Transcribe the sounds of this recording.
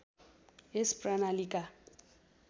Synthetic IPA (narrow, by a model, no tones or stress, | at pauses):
ɛspranalikʼa